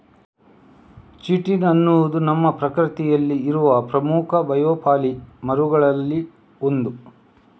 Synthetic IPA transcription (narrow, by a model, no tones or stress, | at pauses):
t͡ʃiʈːinɐnːud̪unɐmːɐpɾɐkɾit̪ijɐlːiːɾuʋɐpɾɐmuːkʰɐbɐjoːpaːlimɐɾuɡɐɭɐlːi | ond̪u